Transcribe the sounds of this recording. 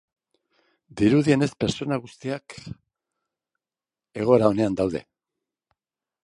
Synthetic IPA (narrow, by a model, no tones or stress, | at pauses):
d̪iɾuðie̞ne̞spe̞ɾt͡so̞naɣust̪iak | e̞ɣ̞o̞ɾao̞ne̞and̪awðe̞̰